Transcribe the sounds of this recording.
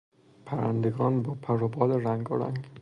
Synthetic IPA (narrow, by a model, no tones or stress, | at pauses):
pʰæɾæ̰nd̪eɡɒːnbɒːpʰæɾobɒːleɾæŋɡoɾæ̰ŋɡ